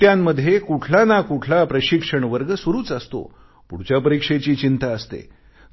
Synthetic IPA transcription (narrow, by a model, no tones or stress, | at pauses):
jãmːəd̪ʱːjekuʈʰlanakuʈʰlapɾəɕikʂəɳʋəɾɡəsʋuɾuːt͡səst̪o̰ | puɽt͡ɕapəɾikʂet͡ɕiːt͡ɕint̪aəst̪ḛ